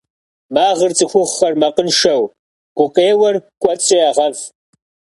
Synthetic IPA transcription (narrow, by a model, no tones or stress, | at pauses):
maːʁərt͡sʼɨxʷʊχːɐrmɐqənʃɐw | ɡ̥ʷʊqeːwɐrkʷʼɔt͡sʼɪaːʁɐv